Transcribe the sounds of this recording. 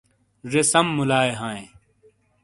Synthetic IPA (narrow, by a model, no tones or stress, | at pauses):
zesɐmːulaːeɦãːẽ